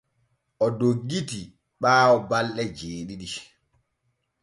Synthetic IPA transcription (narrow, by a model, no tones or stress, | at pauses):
ʔɔdoɡːiti | ɓaːwɔbalɗɛd͡ʒeːɗiɗi